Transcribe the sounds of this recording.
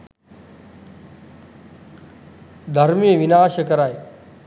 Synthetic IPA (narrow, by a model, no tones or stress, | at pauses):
d̪ʱɐɾmẽʋɪnaːʃəkɐɾaːeː